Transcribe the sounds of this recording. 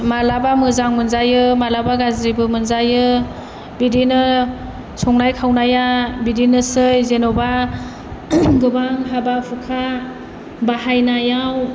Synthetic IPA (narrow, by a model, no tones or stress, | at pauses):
malabamɯzaŋmɯnzajɯmalabaɡazɾibɯmɯnzajɯ | bidinɯ | sʰɔŋnajkʰawnajabidinɯsɯjzenɔba | ɡɯbaŋɦabapʰukʰa | baɦajnajaw